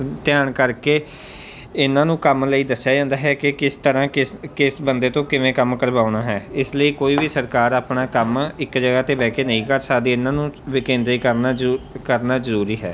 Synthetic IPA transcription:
t̪ɪjaːɳkəɾkeː | ɪnãːnũːkəmləiːd̪əsːjaːd͡ʒãːnd̪aːɦɛːkɪkɪst̪əɾãːkɪkɪsbənd̪eːt̪õːkɪʋẽːkəmkəɾbaːnaːɦɛːɪsləiːkoːiːʋiːsəɾkaːɾaːpnaːkəmɪkd͡ʒəɡaːt̪eːbɛːkeːnəĩːkəɾsaːd̪iːɪnãːnũːʋɪkẽːnd̪ɾiːkəɾnaːkəɾnaːzəɾuːɾiːɦɛː

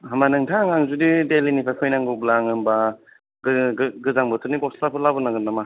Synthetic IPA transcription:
ɦamanɯŋtʰaŋaŋzudidelinipʰajpʰɔjnaŋɡɯblaŋɯnba | ɡɡɯzaŋbɯtʰɯniɡɔslapʰɯlabɯnaɡɯnama

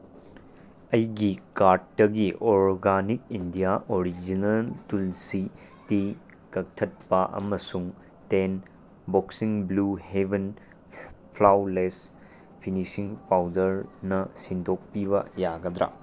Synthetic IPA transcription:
ɐjɡikaɾt̚ːɐɡiʔoɾɡanikindijaʔoɾid͡ʒinɐltulsi | ti | kɐk̚tʰɐt̚pɐʔɐ̰mɐsuŋ | ten | boksiŋbluheben | pʰlawles | pʰinisiŋpawdɐɾnɐsindʰʱok̚piβɐ̰jaɡɐd̪ɾa̰

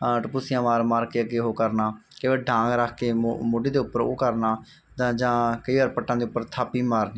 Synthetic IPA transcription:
ʈəpusɪjãːmaːɾmaːɾkeːəɡeːɦoːkəɾnaː | keʋeːɖʱãːŋɡɾəkʰkeːmoːɖeːd̪eːʊpːəɾo̰ːkəɾnaː | t̪ãːd͡ʒãːkəiːʋaːɾpəʈːãːd̪eːʊpːəɾt̪ʰaːpiːmaːɾniː

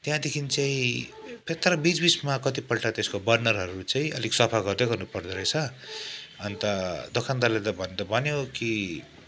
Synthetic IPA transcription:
t̪jãd̪ekʰint͡saĩpʰet̪ːaɾʌbit͡sbit͡smakʌt̪ipʌlʈat̪eskobʌrnʌrɦʌɾut͡saĩʌlikswʌpʰaɡʌrd̪eɡʌrnupʌrd̪eɾʌjt͡sʰʌ | ʌnt̪ʌd̪okʰand̪alet̪ʌbʱʌned̪ʌbʱʌneoki

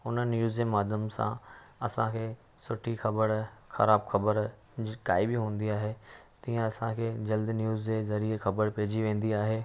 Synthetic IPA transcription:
ʊnənjuːzd͡ʑemaːd̪jəmsã̰ | ɐsãkʰeː | sʊʈʰixɐbəɾxɐ̰ɾaːbxɐbəɾ | d͡ʑkaːibɪɦũːn̆d̪iaːɦet̪ĩːə̃ɐsãkʰeːd͡ʑɐld̪njuːzd͡ʑezɐɾiexɐbəɾpɐɦɪd͡ʑiʋẽːn̆d̪iaːɦeː

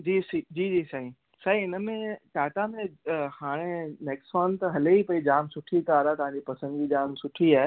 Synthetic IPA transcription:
d͡ʑiːsid͡ʑiːd͡ʑiːsaɦi | saɦiɪnmẽʈaːʈamẽhaːɽ̃eneːksɔːnt̪ɐɦɐleipɐid͡ʑaːmsʊʈʰikaːɾat̪ɐʋ̤ãːɲd͡ʑipɐsə̃nd̪ɡid͡ʑaːmsʊʈʰiaː

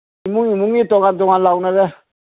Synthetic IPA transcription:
imũŋĩmũŋitɔŋadɔŋãlaunaɾɛ

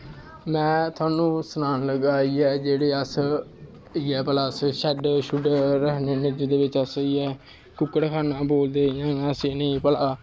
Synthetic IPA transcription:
mɛ̃ːt̪ʰʊwaːnũːsʊnaːnləɡaːiɛːd͡ʒeːɽeːəs | iɛːpəlaːsʃɛɖʃʊɖɾəkneːnɪd͡ʒd̪eːʋɪt͡ʃəsiːɛː | kʊkːəɽkʰaːnaːboːld̪eːjãːaːseːnəĩːpəlaː

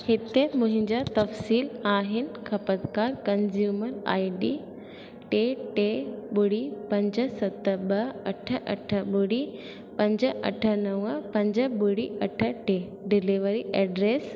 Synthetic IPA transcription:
hɪt̪emʊ̃ɦɪ̃ɲd͡ʑat̪ɐfsiːlaːɦɪnɪ̆kʰɐpət̪kaːɾkɐnd͡ʑjuːməɾa̰ːiɖi | ʈeʈeɓʊɽipɐ̃ɲd͡ʑəsɐt̪əɓɐɐʈʰəʔɐ̰ʈʰə̆ɓʊɽi | pɐ̃ɲd͡ʑəʔɐ̰ʈʰənɐʋəpɐ̃ɲd͡ʑəɓʊɽiɐʈʰəʈe | ɖɪliʋəɾiʔɛːɖɾeːs

